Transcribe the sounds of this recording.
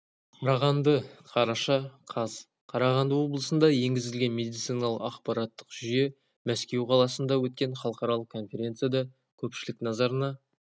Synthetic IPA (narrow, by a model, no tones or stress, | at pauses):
qʰɑɾɑʁɑnd̪əqʰɑɾɑʃɑqʰɑz | qʰɑɾɑʁɑnd̪əwo̞blˠəsənd̪ɑje̞ŋɡʲɪzɪlɡʲenme̞d̪ijt̪sɨjnɑlˠəqɑqpɑɾɑt̪ːə̥qʒ̥ʏje̞ | mæskʲe̞wqʰɑlˠɑsənd̪ɑwɵt̪̚kʲe̞ɴχɑlˠəqɑɾɑlˠəq̚kʰːo̞nfʲe̞ɾʲe̞nt̪sɨjad̪ɑ | kʲʰɵpʃɪlɪknɑzɑɾənɑ